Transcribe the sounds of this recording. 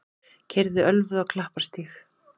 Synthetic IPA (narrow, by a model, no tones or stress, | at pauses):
cʰɛɾðʏʔœlvʏðɔwkʰlahpḁst̪iːx